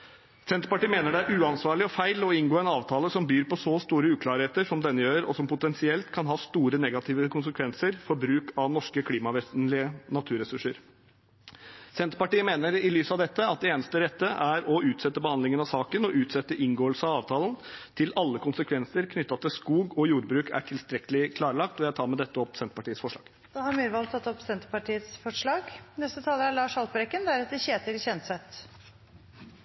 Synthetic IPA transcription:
sɛnt̪pɑʈiːmeːnəɖɛæɾʔʉːɑnsʋɑːɭɪɔfæɪlɔɪnɡoːɛnɑːʋt̪ʰɑːləsɔmbyːɾpɔsɔst̪uːɾəʉːkʰlɑːɾheːt̪əʂɔmd̪ɛnːəjøːɾɔ̰sɔmpʊt̪ɛnsɪɛlt̪kʰɑnɦɑːst̪uːɾənɛɡɑt̪ʰɪːʋəkʰʊnsəkʰʋɛnsəɾfɔɾbɾʉːkɑʋnɔʂkəkʰliːmɑʋeːsn̩lɪənɑt̪ʰʉːɾɛsʉʂəɾ | sɛnt̪pɑʈiːəmeːnəɾɪlyːsɑʋd̪ɛt̪ːəɑt̪̚d̪ɛeːnəst̪əɾɛt̪ːəʔæɾɔʉːt̪sɛt̪ːəbəhɑnd̪lɪŋənɑsɑːkənɔʔʉːt̪sɛt̪ːəʔɪŋɡoːəlsəɑɑːʋt̪ʰɑːlənt̪ʰɪlɑlːəkʰʊnsəkʰʋɛnsəɾkʰnʏt̪ːɑt̪ʰɪskuːɡɔjuːɾbɾʉːkʰæ̰ʈʰɪlst̪ɾɛkəlɪkʰlɑːɾlɑk̚t̪ɔjæt̪ʰɑːɾmɛd̪ɛt̪ːəɔpsɛnt̪ə̥pɑʈiːət̪sfɔʂɭɑ̰ːɡ | d̪̥ɑːhɑɾmiɾəʋɑlt̪ʰːɑt̪ːɔpsɛnt̪əpɑʈiːət̪sfɔʂɭɑːɡnɛst̪ət̪ʰɑːləæɭɑːʂɑlpəɾɛkːənd̪æɾɛt̪əçeːt̪əɾçɛnt̪sɛt̪

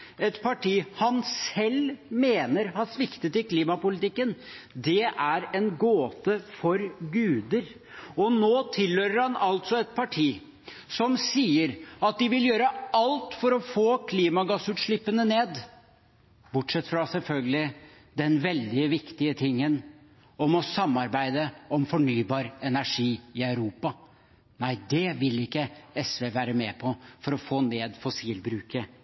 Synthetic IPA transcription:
ɛt̪pʰɑʈʰiːhɑnsɛlmeːnəɾhɑsʋɪkt̪ət̪ɪkʰliːmɑpʊlɪt̪ɪkːənd̪ɛʔæɾɛnɡoːt̪əfɔɾɡʉːd̪əɾ | ɔnoːt̪ʰɪlːœɾəɾhɑnɑlt̪sɔɛt̪̚pʰɑʈʰiː | sɔmsiːəɾɑt̪̚d̪ɪʋɪljøːɾəɑlt̪fɔɾɔfoːkʰliːmɑɡɑsʉːt̪ʂɭɪpːənəneːd̪ | bʊʈʂɛt̪ːfɾɑsɛlfœlɡəlɪ | d̪ɛnʋɛld̪ɪʋɪkt̪ɪət̪ʰɪŋːən | ɔmɔsɑmːɑɾbæɪd̪əɔmfɔɳyːbɑːɾɛnæʂiːɪœʉɾuːpɑ | næɪd̪ɛʋɪlɪkːəɛsʋeʋæːɾəmɛːpʰɔfɔɾɔfoːneːd̪fɔsiːlbɾʉːkə

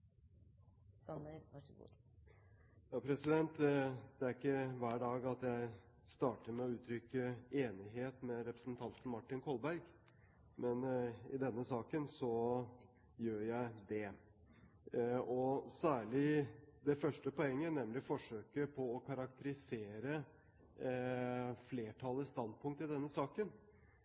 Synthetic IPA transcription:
ə | jɑːpʰɾɛsɪd̪ɛnt̪d̪̥ɛæɾɪkːəʋæːɖɑːɡɑt̪jæɪ | st̪ɑːʈəɾmɛɔʉːt̪ʰɾʏkːəeːnɪɦeːt̪mɛɾɛpɾəsnt̪ʰɑnt̪n̩mɑʈːɪnkʰɔlˠbæɾɡ | mɛnɪd̪ɛnːəsɑːkənsɔ | jøːɾjæɪd̪ɛ | ɔsæːɭɪd̪ɛfœʂʈəpɔɛŋːənɛmlɪfɔʂøːkəpʰɔɔkʰɑɾɑk̚t̪ʰəɾɪseːɾə | fleːʈʰɑlːəst̪ɑnd̪̚pʰʊŋk̚t̪ɪd̪ɛnːəsɑːkən

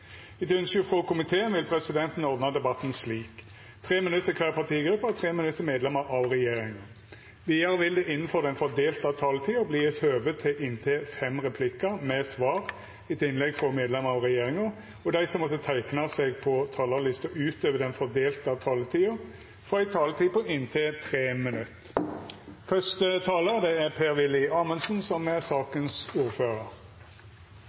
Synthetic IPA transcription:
ɪt̪ʉnskəfʁɔkʊmɪt̪ʰeːənʋɪlpʰɾɛsɪd̪ɛnt̪n̩ɔɾd̪nɑd̪ɛbɑt̪ːn̩sliːk | t̪ʰʁeːmɪnʉt̪ːəkʰʋɛːlpʰɑʁt̪ʰiːɡɾʉpːəɔt̪ʰɾeːmɪnʉt̪ːəmeːd̪lɛməɾʔɑʋʁɛjeːɾɪŋɑ | ʋiːɑɾəʋɪld̪ɛʔɪnːən̩fɔɾd̪ɛnfɔɾd̪eːlt̪əɑt̪ʰɑːlət̪ʰiːʊbliːɛt̪høːʋət̪ʰɪlʔɪnt̪ʰeːfɛmʁɛpʰlɪkːəmɛsʋɑːʁ | ɪt̪ʰɪnlɛɡfʁɔmeːd̪lɛməʁɔʁɛjeːɾɪŋɑ | ɔd̪æɪsɔmːɔt̪ːət̪ʰæɪknɑseɡ̚pʰɔt̪ʰɑːləlɪst̪əʉːt̪øːʋəd̪ɛnfɔd̪eːlt̪ɑt̪ʰɑːlət̪ʰiːʊ | fɔæɪt̪ʰɑːlət̪ʰiːpɔʔɪnt̪ʰeːt̪ʰɾeːmɪnʉt̪ː | fœst̪ət̪ʰɑːləd̪ɛæɾpʰeːɾʋɪlɪɑːmənsn̩sɔmæsɑːkənsuːɾføːɾəɾ

